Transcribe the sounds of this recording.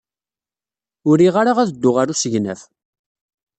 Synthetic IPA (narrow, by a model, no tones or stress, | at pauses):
ʊɾiʁaɾaʁæðəd̪ːʊʁaɾusəʝnæ̰f